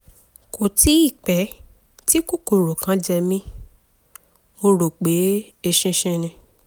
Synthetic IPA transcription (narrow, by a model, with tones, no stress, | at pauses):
ko˨ti˨˦i˦˨k͡pɛ˨˦ | ti˦ku˦˨ko˨ɾo˨kã˨˦d͡ʒɛ˧mĩ˦ | mo˧ɾo˨k͡pe˨˦ | e˧ʃĩ˧ʃĩ˧nĩ˧